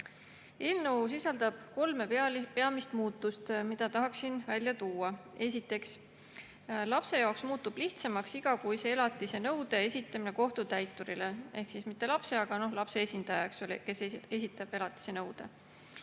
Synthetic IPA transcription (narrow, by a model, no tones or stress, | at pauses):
e̞ːlnɤwsisɑld̪̥ɑb̥̚ko̞lme̞peɑmist̪muːt̪ːˑust̪mid̪̥ɑt̪ɑɦɑksinvælʲjɑt̪uːɑe̞sit̪ːˑe̞ks | lɑpse̞jɑoksmuːt̪ːˑub̥liht̪semɑksiɡ̥ɑkujse̞elɑt̪ˑːise̞nɤwd̪e̞esʲit̪ːˑɑmine̞ko̞ht̪ut̪æjt̪ːˑuɾile̞e̞hksismit̪ːˑe̞lɑpse̞ɑɡ̥ɑno̞hlɑpse̞esʲind̪̥ɑjɑeksolʲike̞see̞sit̪ːˑɑb̥e̞lɑt̪ːˑi̥se̞nɤwd̪̥e̞